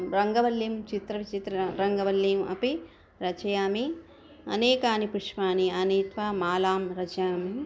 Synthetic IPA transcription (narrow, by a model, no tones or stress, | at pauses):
ɾɐŋɡɐʋɐlːimt͡ʃit̪ɾɐʋit͡ʃit̪ɾɐɾɐŋɡɐʋɐlːiːmɐ̰pi | ɾɐt͡ʃɐjaːmi | ɐ̰neːkaːnipɾuʂmaːniɐniːt̪ʋaːmaːlaːmɾɐt͡ʃɐjaːmi